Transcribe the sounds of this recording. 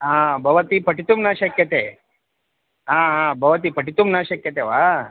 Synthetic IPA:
ɦãbʱɐʋət̪ipəʈit̪umnaɕəkjət̪e | ɦãɦãbʱɐʋət̪̬ipəʈit̪umnaɕəkjət̪eʋa

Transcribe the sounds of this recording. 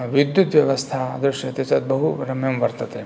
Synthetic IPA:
ʋid̪jut̪ʋjɐʋɐst̪ʰad̪ɾɪʃjɐɐt̪jɐsɐt̪̚bɐɦuɾɐmjɐmʋɐɾt̪ɐt̪e

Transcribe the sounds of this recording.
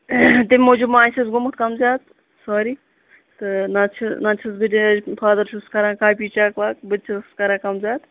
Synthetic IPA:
t̪imʲmoːd͡ʒumaːnsʰɐsɡʊmkʰt̪kɐmzʲjaːt̪ | soːɾiː | t̪ɨnat͡ʃʰnat͡ʃʰɐsbiʈipʰaːd̪ɐɾʃʰuskɐɾãːkaːpʲiːt͡ʃaːklaːk̚bɨt̪t͡ʃʰɐskɐɾãːkɐmzʲjaːt̪

